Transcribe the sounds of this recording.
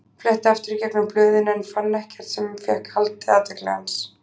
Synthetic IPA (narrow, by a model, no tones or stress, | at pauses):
flɛht̪ɪaft̪ɪɾicɛknʏmplœːðɪnɛnfanːɛhcɛɾ̥t̪sɛmfjɛkhalt̪ɪaːt̪ɛklɛɣa̰ns